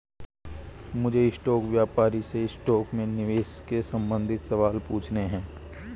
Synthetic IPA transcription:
mʊd͡ʒʱeɪsʈɔːkʋjaːpaːɾiseɪsʈɔːkmẽnɪʋeːʃkesɐ̃mbə̃nd̪ʱɪt̪sɐʋaːlpuːt͡ʃʰneɦɛ̃ː

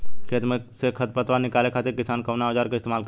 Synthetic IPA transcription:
kʰet̪məsekʰɐt̪̚pət̪ʋanikalekʰat̪iɾkisaːnkɐʋnaod͡ʒaɾkəist̪emaːlk

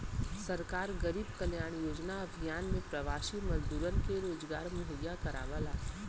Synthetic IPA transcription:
sɐɾkaːɾɡɐɾiːbkɐljaːɽ̃joːd͡ʒnaɐbʱijaːnmẽpɾɐʋaːʃimɐzd̪uːɾənkeɾoːd͡ʒɡaːɾmʊɦəjːakɐɾa̰ːʋəlaː

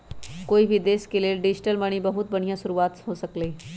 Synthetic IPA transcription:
koːibʱid̪eːskeleɖɪd͡ʒʈəlmɐɽ̃ibɐɦʊt̪̚bɐɽ̤̃ijãsʊɾuaːt̪ɦoːsəkleː

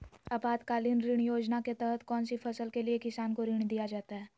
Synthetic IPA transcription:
ɐpaːt̪kaːlinɾɪɳ̃joːd͡ʒnaket̪ɛɦət̪kɔːnsifʰɐsəlkeliekɪsaːnkoɾɪɽ̃d̪ijad͡ʒaːt̪aɦɛː

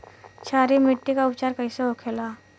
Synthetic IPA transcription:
t͡ʃʰaːɾimɪʈːikaʊpt͡ʃaːɾkəiseɦokʰela

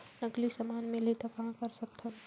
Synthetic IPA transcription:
nəɡlisəmaːnmẽlet̪akaɦkəɾsək̚t̪ʰən

